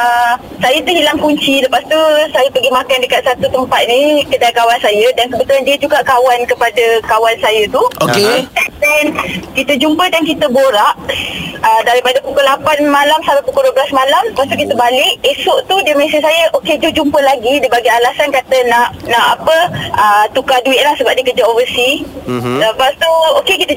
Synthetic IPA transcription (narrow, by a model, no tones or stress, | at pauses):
ə | sajət̪uɦilaŋkuɲt͡ʃiləpast̪usajapəɡimakandəkat̪̚sat̪ut̪əmpat̪̚nĩkədajkawansajədankəbət̪ulandiəd͡ʒuɡaʔkawankəpadəkawansajət̪uoeit̪at̪ɛnkit̪əd͡ʒumpədankit̪əboɾaʔ | ədaɾipadəpukʊhlapanmalamsalapukuhduəblasmalampast̪ukit̪əbalɪʔesʊʔt̪udəməs̬əsajəʔoked͡ʒud͡ʒumpəlaɡidibaɡaalasankat̪ənãʔnãʔapəət̪ukaduɪt̪̚lahsəbaʔ̚dikərd͡ʒaovəsidapast̪uokekit̪ə